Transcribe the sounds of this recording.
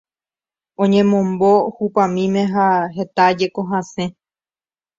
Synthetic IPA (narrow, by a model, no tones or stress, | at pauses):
õɲẽmõ̞mbohupãmĩmẽ̞ɦaɦe̞t̪ad͡ʒe̞koɦasẽ̞